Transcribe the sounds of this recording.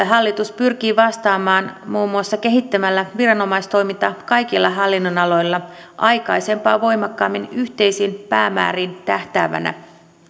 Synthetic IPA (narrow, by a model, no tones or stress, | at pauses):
ɦɑlːit̪uspyrkiːʋɑst̪ɑːmɑːnmuːmːuɑsːɑke̞ɦit̪ːæmælːæʋirɑno̞mɑjst̪o̞jmint̪ɑkɑjk̟ilːɑɦɑlːinːonɑlo̞jlːɑ | ʔɑjkɑjse̞mpɑːʋo̞jmɑkːɑːmːinyht̪e̞jsiːnpæːmæ̰ːɾiːnt̪æht̪æːʋæ̰næ̰